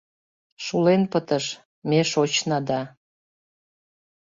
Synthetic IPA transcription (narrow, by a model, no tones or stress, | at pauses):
ʃulenpət̪əʃ | meʃot͡ɕnɑd̪ɑ